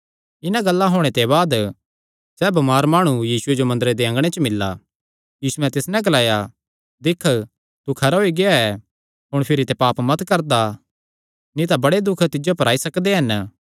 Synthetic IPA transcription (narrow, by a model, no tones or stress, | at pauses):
ɪnãɡɐlːaɦoːɽ̃et̪eβaːd̪ | sɛːbɐmaːɾmaːɽ̃ujiːsʊed͡ʒomɐ̃nd̪əɾed̪eɐ̃ŋɡɽ̃et͡ʃəmɪlːa̰ | jiːsuɛ̃t̪ɪsnɛ̃ɡɐlaːja | d̪ɪkʰ | t̪ukʰɐɾaɦoːiɡɪjaɛ | ɦʊɽ̃pʰɪɾit̪ɛpaːpmɐt̪kɐɾd̪a | nĩt̪̬abɐɽed̪ʊkʰt̪ɪd͡ʒopɐɾaːisɐkd̪eɦɐn